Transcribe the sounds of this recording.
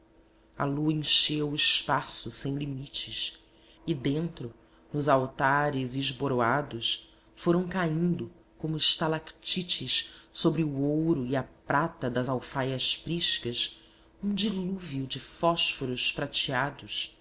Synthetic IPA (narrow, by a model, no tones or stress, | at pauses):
ɐ̰luɐẽʃewɪʃpasʊsẽj̃limit͡ʃɪs | id̪ẽnt̪ɾʊ | nʊzawt̪aɾɪzɪʒboɾoad̪ʊs | foɾɐ̃w̃kaĩnd̪ʊ | kõmʊɪʃt̪alakt͡ʃit͡ʃɪʃsobɾɪuowɾʊiɐpɾat̪ɐd̪ɐzawfajɐʃfɾiʃkɐʃ | ũd͡ʒiluviʊd͡ʒɪfɔʃfoɾʊʃpɾat͡ʃiad̪ʊs